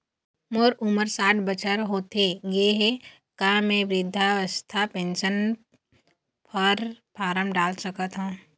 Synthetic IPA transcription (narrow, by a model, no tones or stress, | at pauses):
moɾʊməɾsaːʈʰbət͡ʃəɾɦoːt̪eɡeɦe | kãmẽʋɾɪd̪ʱːaəst̪ʰapẽːnʃən | pʰəɾpaːɾəmɖaːlsəkət̪ɦũː